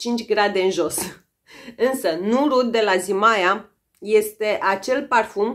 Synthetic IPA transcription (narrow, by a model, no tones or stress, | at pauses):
t͡ʃint͡ʃʲɡɾad̪e̞ɨnʒo̞s | ɨnsənuɾut̪̚d̪e̞lazimaja | je̞st̪e̞ʔat͡ʃe̞lparfum